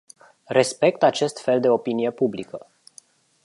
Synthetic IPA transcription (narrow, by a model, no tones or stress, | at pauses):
re̞spe̞kt̪at͡ʃe̞st̪fe̞ld̪e̞o̞pinije̞publikə